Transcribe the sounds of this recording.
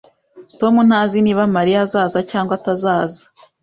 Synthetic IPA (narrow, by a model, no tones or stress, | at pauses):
to̞mun̥haːziniβamaɾijazaːzacaːŋɡwatazaːzḁ